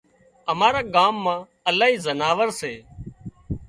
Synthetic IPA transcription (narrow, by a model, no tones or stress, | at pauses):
əmaːɾaːɠaːmːãː | əlaːɦiːzənaːʋəɾseː